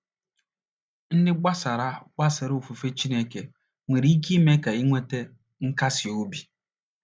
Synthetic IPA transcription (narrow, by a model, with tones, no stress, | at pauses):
n̩˦dɪ˦ɡ͡ba˦sa˨ɾa˦ɡ͡ba˦sɪ˨ɾʊ˦o˨fu˨fe˦t͡ʃi˦ne˦ke˨ | ŋʷe˨ɾi˦i˦ki˦me˦ka˨i˦ŋʷe˦te˦ | ŋ̩˦ka˦sɪ˨o˦bi˨